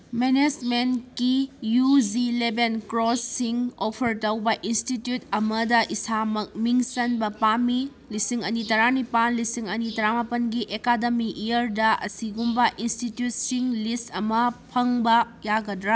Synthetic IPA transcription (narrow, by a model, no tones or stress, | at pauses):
mened͡ʒmenkijud͡ʒilebenkɾosːiŋopʰɐɾtɐwbɐʔinstitjutɐmɐdɐʔisamɐk̚miŋsɐnbɐpami | lisiŋɐnitɐɾanipanlisiŋɐnitɐɾamapɐnɡiʔekadɐmiʔijɐɾdɐɐ̰siɡumbɐʔinstitjut̚siŋlistɐmɐpʰɐŋbɐ | jaɡɐdɾa